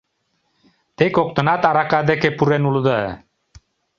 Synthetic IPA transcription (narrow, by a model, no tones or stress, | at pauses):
t̪ekok̚t̪ɤ̆nɑt̪ɑɾakad̪ekepuɾenulˠd̪ɤ